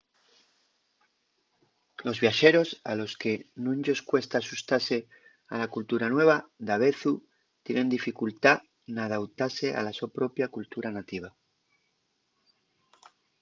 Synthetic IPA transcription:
lo̞zβjaʃe̞ɾo̞salo̞ske̞nũnʝo̞skwe̞st̪aːsust̪ase̞ | a̰lakult̪uɾanwe̞β̞ad̪aβ̞e̞θu | t̪jenẽ̞nd̪ifikult̪a | nað̞awt̪ase̞ʔa̰laso̞pɾo̞pjakult̪uɾanat̪iβ̞a

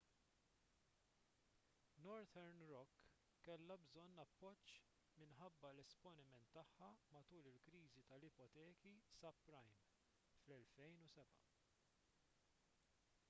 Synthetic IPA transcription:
nɔɾt̪ʰɛɾnɾɔkː | ɛlːɐbzɔnːɐpːɔt͡ʃː | mɪnħɐbːɐlɛspɔnɪmɛnt̪ːɐħːɐmɐt̪uːlɪlkɾiːzit̪ɐlɪpɔt̪ɛːkisɐpːɾɐjm | flɛlfɛjnusɛbɐ̰

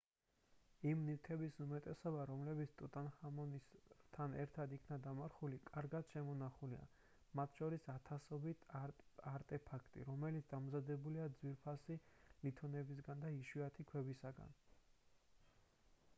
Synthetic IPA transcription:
imnift̪ʰɛbisumɛt̪ʼɛsɔbaɾɔmlɛbit̪sʰt̪ʼut̪ʼanhamɔnist̪ʰanɛɾt̪ʰad̪ikʰnad̪amaɾχulikʼaɾɡad̪̥ʃɛmɔnaχulia̰ | mat̪ʰʃɔɾisat̪ʰasɔbit̪ʰaɾt̪ʼɛpʰakʰt̪ʼḭɾɔmɛlit̪sʰd̪amzad̪ɛbuliad̪zwiɾpʰasilit̪ʰɔnɛbis̬ɡand̪aiʃwiat̪ʰikʰwɛbisaɡa̰n

